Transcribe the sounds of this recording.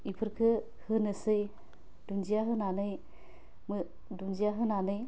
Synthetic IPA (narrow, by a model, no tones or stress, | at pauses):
ipʰɯɾkʰɯ | hɯnɯsɯj | dund͡ʒijaɦɯnanɯj | mɯ | dund͡ʒijaɦɯnanɯj